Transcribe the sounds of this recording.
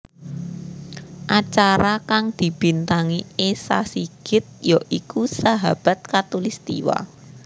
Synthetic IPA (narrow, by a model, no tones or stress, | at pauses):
ʔat͡ʃaɾakaŋd̪̥i̤b̥i̤nt̪aŋiesa̰siɡ̥ɪ̤t̪̚jaʔikusaɦab̥a̤t̪̚kat̪ulist̪ḭwa̰